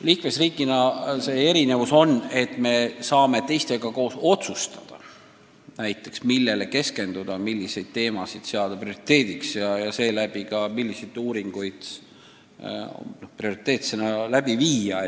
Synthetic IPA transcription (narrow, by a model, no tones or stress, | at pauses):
liːkme̞sriːkːˑinɑse̞ːe̞ɾine̞vuso̞nːe̞t̪ːˑme̞sɑːme̞t̪e̞jst̪e̞ɡ̥ɑko̞ːso̞t̪sust̪ɑd̪̥ɑ̰ | næjt̪ːˑe̞ksmilːe̞le̞ke̞ske̞nd̪̥ud̪̥ɑmilʲːise̞jd̪̥̚t̪e̞ːmɑsid̪̥seɑd̪̥ɑprio̞ɾit̪ːe̞ːd̪̥iksjɑjɑse̞ːlæb̥ikɑmilʲːisejd̪uːɾiŋɡ̥ujd̪̥ | noprio̞ɾit̪ːˑe̞ːt̪senɑlæb̥iviːɑ